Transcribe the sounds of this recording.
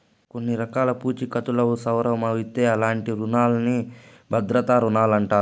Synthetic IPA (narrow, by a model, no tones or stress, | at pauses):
ko̞nːiɾɐkaːlɐpuːt͡ʃikɐt̪ulɐusɐwɾɐmɐʋit̪ːeːɐlaːɳʈiɾunaːlɐni | bʱɐd̪ɾɐt̪aːɾunaːlɐɳʈaːɾu